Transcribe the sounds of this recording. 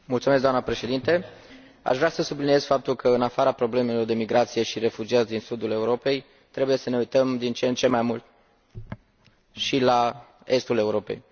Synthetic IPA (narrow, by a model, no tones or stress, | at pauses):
mult̪sumes̬d̪oamnəpɾe̞ʃe̞d̪int̪e | a̰ʃvɾeasəsublinije̞z̥fap̚t̪ulkəɨnafaɾapɾo̞bleme̞lo̞rd̪e̞miɡɾʔat̪sije̞ʃiɾe̞fud͡ʒiat̪sʲd̪insud̪ule̞uɾo̞pe̞j | t̪ɾe̞buje̞səne̞ujt̪əmd̪int͡ʃent͡ʃe̞majmult̪̚ | ʃila | e̞st̪ule̞uɾo̞pe̞̰j